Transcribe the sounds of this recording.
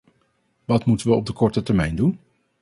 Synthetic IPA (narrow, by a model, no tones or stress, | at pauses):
ʋɑtmutənʋəɔb̚dəkɔɹtətɛɹmɛjndun